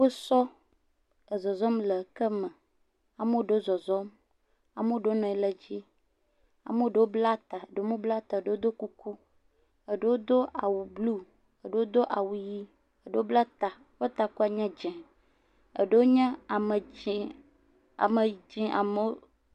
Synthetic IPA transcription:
wo˦sɔ˦ | ə˨zɔ˨zɔ˦mlə˨kə˦mə̃˨ | a˨me˦wo˦ɖo˦zɔ˨zɔ˦m | a˨me˦wo˦ɖo˦nɔ̃˨ɛ˦lɛ˦d͡ʑi˦ | a̰˨me˦wo˦ɖe˨wo˦bla˦t̪a˨ə˨ɖe˨˦mõ˦bla˦t̪a˨e˨ɖe˦wo˦d̪o˦ku˦ku˦ | ə˨ɖe˦wo˦d̪o˦ʔa˨wu˨blu˦ | ə˨ɖe˨˦wo˦d̪o˦ʔa˨wu˨ji˦ | ə˦˨ɖe˨˦o˦bla˦t̪a˨˦wo˦t̪a˨ku˦a˨ɲɛ̃˦d͡ʒɛ̃˨ | ə̰˨ɖe˦wo˦ɲɛ̃˦a˨mə˨ | a˨me˨d͡ʒĩ˦a̰˨me˦o˦

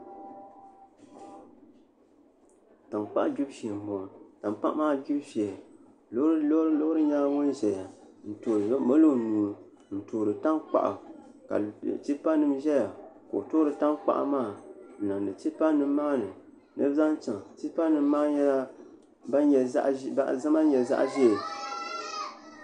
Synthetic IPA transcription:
ta˨mk͡pa̰˦ʔa˦d͡ʒu˦bʃi˨m˨mo˨ta˨mk͡pa˦ʔmaː˦˨d͡ʒu˦bʃɛ˨ | lɾlo˦ɾɨ˦ɲa˦ŋʊ˦nʒɛ˨ja˨ | n̩˨toː˨ɾmo˦lo˦˨nuː˨ | n̩˨toː˨ɾɨ˨ta˦ŋk͡pa̰˨ʔa̰˨ | ka̰˨l̰t͡ʃi˦pa˦nɨ˦mʒɛ˦ja˨ko̰˨toː˦ɾɨ˨ta˦ŋk͡pa̰˨ʔa̰˨maː˦˨n̩˨na˨ndɨ˨t͡ʃi˦pa˦nɨ˦mːaː˦nɨ˨ | nɨ˦bza˦n˦t͡ʃa˨ŋ˨t͡ʃi˦pa˦nɨ˨m˦maː˦ɲɛ˦la˦ | ba˦ɛ˨˦ʔa˦˨za˦ma˦ɲɛ˨za̰˦ʔʒe˦˨

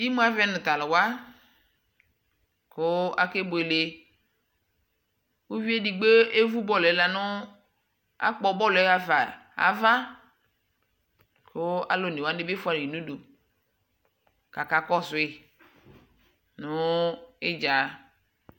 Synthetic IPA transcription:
i˦mu˦a˦vɛ˦nʊ̃˨t̪a˨lʊ˨wa˦ | kʊ˦a̰˦ke˦bo˨e˨le˨ | u˦vi˦e˦di˨ɡ͡be˦e˦vu˦bɔ˦lla˨nʊ˦ | a̰˦k͡pɔ˨˦bɔ˦lɛ˦a˨va˨a̰˨va˦ | kʰʊ˦a̰˨lo˨ne˨wa˦dɪ˦be˦fʊ˦a˨i˨nu˦do˨ | ka˨ka˨kɔ˦sʊ˨e˨ | nʊ˦e˦d͡ʒa˨˦

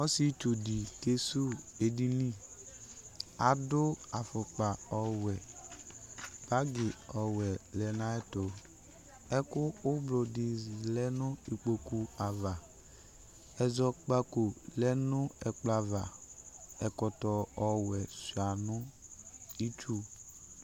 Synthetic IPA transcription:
ɔ˦si˦t͡ʃo˨di˨ke˦su˦e˨di˦ni˦˨ | a˨dʊ˦a˨fʊ˨k͡pa˨ɔ˨wɛ˨ | b̥a˦ɡɪ˨ɔ˨wɛ˨lɛ˨na˨˦ɛ˦to˨ | ɛ˦kʊː˦blo˨di˨lɛ˦nʊ˦i˨k͡po˨ku˨a˨va˨ | ɛ˨zɔ˦k͡pa˦ko˨lɛ˦nʊ˦ɛ˨k͡pla˨va˨ | ɛ˨kɔ˨tɔ˨ɔ˨wɛ˨su˨a˨nʊ˦ | i˦t͡ʃu˦

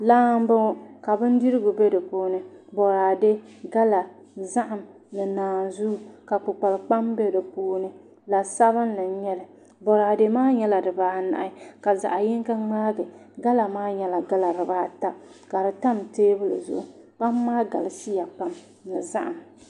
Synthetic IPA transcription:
laː˦m˦bɨ˦ka˨bɨ˦n˦di˦ɾɨ˦ɡʊ˨bɛ˦dɨ˨poː˦nɨ˦bɔ˨ɾaː˨de˦ɡa˦la˨ | za˦ʔa˨m | nɨ˨naː˨nzu˦ka˨k͡pʊ˨k͡pa˨lk͡pa˦mbɛ˦dɨ˨poː˦nɨ˦ | la˨sa˦βɨ˦nla˨ɲɛ˦lɨ˨ | bɔ˨ɾaː˨de˦maː˦ɲɛ˦la˨dɨ˨baː˨˦na̰˨ʔɪ˦ka˨za̰˨ʔa˨jɪ˦ŋka˦ŋ͡maː˦ɡɨ˨ɡa˦la˨maː˦ɲɛ˦la˨ɡa˦la˨ɾɨ˨baː˦ta˦ka˨ɾɨ˨ta˦mteː˦bɨ˦lɨ̰˨zʊ̰˨ʔ | ba˦mː˦aː˦ɡa̰˨lɪ˨si˦ja˨k͡pa˦m | nɨ˨za̰˦ʔa˨m

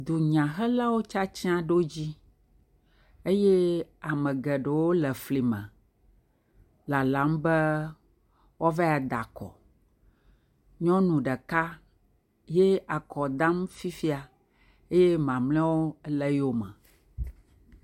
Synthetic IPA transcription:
d̪u˨ɲã˨ɦɛ˦la˦wo˦t͡ʃa˦t͡ɕi˦ã˦ɖo˦d͡ʑi˦ | e˦je˦a˨mɛ̃˨ɡɛ˨ɖə˨wo˦lɛ˨fli˨mɛ̰̃˨ | la˨la˨˦mbɛ˦ | wɔ˦vɛ˦a˨d̪a˨kɔ̰˨ | ɲɔ̃˦nũ˨ɖɛ˨ka˦ | je˦a˨kɔ˨d̪ã˦mfi˦fi˦a˨ | e˦jɛ˦mã˨mlɛ̃˦wo˦lɛ˦jo˦mɛ̰̃˨

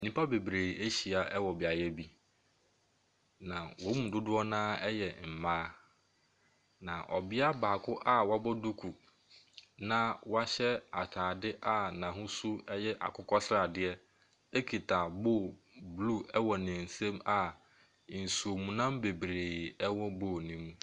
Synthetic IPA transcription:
nĩ˦pʰa˦be˨bɾeː˨e˦ɕi˨a˨ʔɛ˦wɔ˨bɪ˨a˨jɛ˦bi˦ | nã˨wɔ˨˦mũ˨dʊ˦dʊ˦ɔ˦nãː˦ɛ˦jɛ˨m̩˨mãː˦ | nã˨ʔɔ̰˨bɪ˦a˦baː˨kʰʊ˦ʔa˦wa˦bɔ˦du˦kʰu˨ | nã˦wa˦ɕɛ˦a˨tʰaː˨dɪ˦ʔa˦nã˨ɦʊ̃˦su˦ɛ˦jɛ˦ʔa̰˨kʰʊ˦kʰɔ˦sɪ˦ɾa˨dɪ˦ɛ˦ | e˦kʰi˨tʰaː˨boː˦˨ | blu˦˨ɛ˦wɔ˨nẽ˨n̩˨sɛ̃˦ma˦˨ | n̩˨su˨o˨mũ˨nã˦m˦be˨bɾeː˨ɛ˦wɔ˦boː˦˨nĩ˦m̃˦

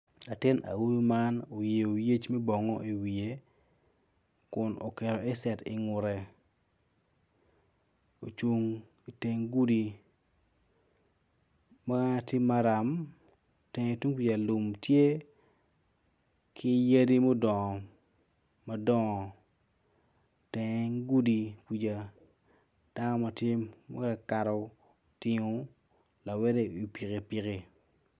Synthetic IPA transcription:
a˨tɪ˦na̰˨wu˦ma˦no˨je˨o˨je˦t͡ʃmɛ˦bɔ˨ŋɔ˦ʔi˨wi˨e˨ | kʊ˨nʔo̰˨ke˨ɾɔ˨ɛ˦sɛ˨tɪ̰˨ŋʊ˨ɾɛ˨ | o˨t͡ʃu˦ŋ | i˨te˦ŋɡu˦di˨ | ma˦tɪ˦mːa˦ɾa˨m | tɛ˨ŋ˨tu˦ŋki˦d͡ʒa˨lu˨mtje˦ | kʰɪ˦je˦di˦mo˦dɔ˨ŋɔ˨ | ma˦dɔ˦ɔ˨ | tɛ˨ŋ˦ŋɡu˦di˨ki˨d͡ʒa˨ | d̥a˦nɔ˦ma˨tjɪ˦mma̰˦ka˨ka˨ɾɔ˨ | tɪ˨ŋo˨ | la˨wɛ˦ɾe˦i˨pi˨ke˨pi˨ke˨

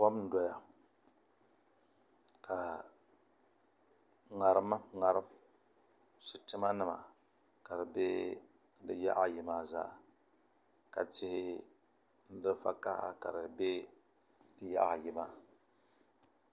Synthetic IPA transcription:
pɔ˦mn̩˦dɔ˦ja˨ | kʰa˨ | ŋa˨ɾɨ˦ma˦ŋa˨ɾɨ˦m | sʊ˨tɪ˦ma˦nɨ˦ma̰˨ | ka˨dɨ˨be˦ | n̩˦dɨ˦ja̰˦ʔjɪ˨maː˨za̰˦ | ka˨t͡ʃɪ˦hɪ˦ | n̩˦dɨ˦fa̰˦ka˦ha̰˦ka˨ɾɨ˨be˦ | dɨ˦ja̰˦ʔa˨jɪ˨ma˦

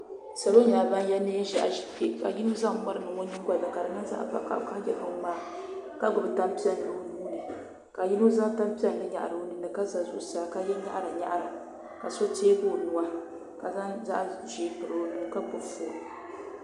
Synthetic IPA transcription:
sa˨lo˦ɲaː˨ba˦n˦jɛ˦neː˦ʒa̰˨ʔʒi˨ke˦ka̰˨ji˦no˦za˦ŋ˦mʊ˦ɾɨ˨nɨ˨ŋo˦ɲi˦ɡʷa˨dɨ˨ka˨dɨ˨nɨ˦nza̰˦ʔka̰˨ka̰˨ʔka˦ɡɛ˨ha˦maː˦ | ka˦ɡʊ˨bɨ˨ta˦mpi˦ɛ˦nː˨ɨ˨o˦nuː˦nɨ˨ | ka˨ji˦no˦za˦ta˦mpi˦ɛ˦nː˨ɨ˦ɲa̰˨ʔa̰˨ɾɨ˨o˦nɨ˨nɨ˨ka˦za˨zʊ̰˨ʔsa˨ka˦jɛ˦ɲa̰˦ʔɾa˨ɲa̰˦ʔɾa˨ | ka˨so˦teː˦bo˦˨nʊ˨wa˦ | ka˨za˦za̰˦ʔʒeː˨˦pɨ˨ɾɨ˨˦nɨ˨nɨ˨ka˦pʊ˨fo˨

